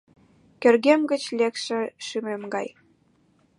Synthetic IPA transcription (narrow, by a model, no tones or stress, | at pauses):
kørɣemɡə̆t͡ɕlekʃĕʃymemɡɑj